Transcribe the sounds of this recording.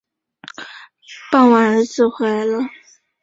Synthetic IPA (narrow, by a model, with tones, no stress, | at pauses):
pa˥˩nwa˧˥˦nə˧˥t͡sɹ̩˥˩xwe˧˥ɪlə˧